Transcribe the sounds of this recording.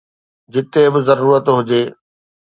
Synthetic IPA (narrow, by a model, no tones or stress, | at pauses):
d͡ʑɪt̪ebɪzɐɾuːɾət̪ɦʊd͡ʑeː